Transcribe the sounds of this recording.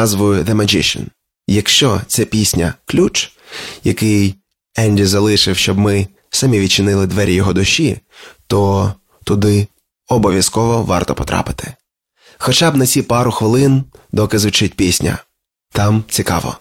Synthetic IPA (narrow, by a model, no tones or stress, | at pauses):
ɑzʋʊjʊðemɐd͡ʒɪ̰ʃɔ̰n | jɐkʃt͡ʃɔt̪sɛpʲisʲnʲɐklʲut͡ʃ | jɐkɪj | ɛnʲd̪ʲizɐlˠɪʃɪwʃt͡ʃɔbmɪ | sɐmʲiʋʲid̪̚t͡ʃɪnɪlˠɪd̪ʋɛɾʲjɔɦɔd̪ʊʃːit̪ɔ | t̪ʊd̪ɪ | ɔbɔʋʲjɐskɔʋɔʋɑ̰rt̪ɔpɔt̪ɾɑ̰pɪ̥t̪ʰɪ̥ | xɔt͡ʃɑbnɐt͡sʲipɑɾʊxʋɪlˠɪnd̪ɔkɪzʋʊt͡ʃɪt̚ʲpʲisʲnʲɐ̰ | t̪ɑmt͡sʲikɑ̰ʋɔ̰